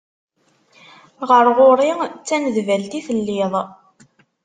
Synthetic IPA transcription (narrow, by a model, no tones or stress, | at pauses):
ʁəɾʁoɾˤit͡sːænəðvælt̪iθəlːɪðˤ